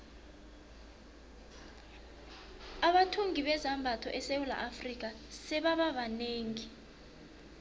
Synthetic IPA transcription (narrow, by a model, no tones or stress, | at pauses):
aɓatʰuŋiɓɛzambʱatʰɔ̰ʔɛsewula̰ʔafrik̬ʼa | sɛɓaɓaɓaneːŋi